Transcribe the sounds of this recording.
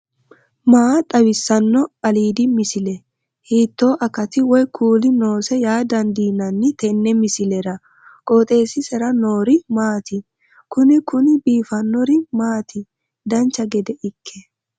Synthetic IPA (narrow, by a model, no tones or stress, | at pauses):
maːt̪ʼɐwɪsːɐnːɔɐliːd̪ɪmɪsɪlɛ | hiːt̪ːo̞ːʔɐkɐt̪ɪwɔjkʰuːlɪno̞ːsɛjaːd̪ɐnd̪iːnːɐnːɪt̪ɛnːɛmɪsɪlɛɾɐ | kʼoːt̪ʼe̞ːsɪsɛɾɐno̞ːɾɪmaːt̪ɪ | kʊnɪkʊnɪbiːfɐnːɔɾɪmaːt̪ʰɪ | d̪ɐnt͡ʃːɐɡɛd̪ɛʔɪkʰːɛ